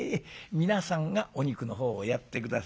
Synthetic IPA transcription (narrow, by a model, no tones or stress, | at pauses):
mʲinasãŋɡaʔoɲ̟ikɯ̟no̞ɦo̞ːjat̪ːe̞kɯ̟d̪a